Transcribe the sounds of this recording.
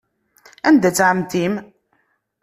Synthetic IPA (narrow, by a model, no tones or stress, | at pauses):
ænd̪æt͡sːʕəmt̪im